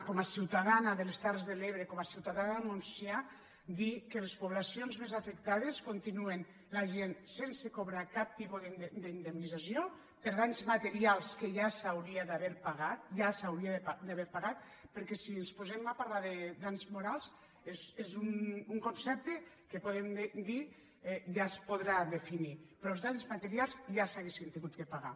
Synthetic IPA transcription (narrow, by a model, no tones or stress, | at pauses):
kɔmasiwt̪aðanaðelest̪arezðeleβ̞ɾekɔmasiwt̪aðanaðmunsja | d̪ikelespoβlasionzmezafekt̪aðeskont̪inuen | laʒensensekoβɾakap̚t̪ipuðd̪əind̪emnizasjo | peɾðanzmat̪eɾialˠskeʒasawɾiaðaβɛɾpaɣat̪̚ʒasawɾiaðead̪aβɛɾpaɣat̪̚ | peɾkɛsienspozemapaɾlaðed̪anzmoɾalˠs | ezezunuŋkonsɛp̚t̪e | kepoðemd̪i | ʒaspoðɾaðefinipɾɔelzðanzmat̪eɾialˠzʒasaɣesint̪iŋɡut̪̚kepaɣa